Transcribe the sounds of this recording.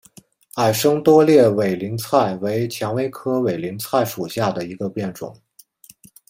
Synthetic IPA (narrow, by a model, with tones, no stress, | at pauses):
a˨˩ɪʂɤ˥ŋt̪wɔ˥ljɛ˥˩we˨˩ɪli˧˥ŋt͡sʰa˥˩ɪwe˧˥ɪt͡ɕʰjɑ˧˥ŋwe˥ɪkʰɤ˥we˨˩ɪli˧˥ŋt͡sʰa˥˩ɪʂu˨˩ɕja˥˩d̪ə˩i˧˥ɡə˧pjɛ˥˩nʈ͡ʂʊ̰˨˩˦ŋ